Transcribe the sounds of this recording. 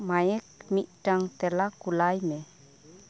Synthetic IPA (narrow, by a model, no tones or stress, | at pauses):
majɛk̚miʔ̚ʈaŋt̪ɛlakulajmɛ